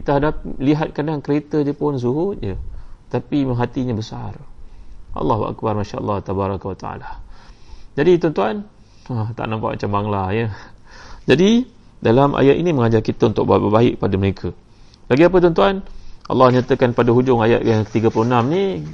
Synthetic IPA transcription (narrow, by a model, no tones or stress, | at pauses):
kit̪əɦadap̚liɦat̪̚kadaŋkəɾet̪ədəpʊns̬uɦʊt̪̚d͡ʒət̪apimaɦat̪iɲabəsar | ʔɑ̰lːɑɦua̰k̚barmaʃaʔɑ̰lːɑht̪abaɾakwat̪aa̰la | d͡ʒadit̪ɔnt̪uan | at̪a̰ʔnampa̰ʔma̰t͡ʃambaŋlajə | d͡ʒadidalamʔa̰jat̪̚iniməŋad͡ʒarkit̪əunt̪ʊ̰ʔ̚babəbaɪk̚padəməɾekʰə | baɡiap̬ət̪̬ɔnt̪uanʔɑ̰lːɑhɲat̪əkanpadaɦud͡ʒʊŋajat̪̚jaŋkə̥t̪iɡəpuloənamni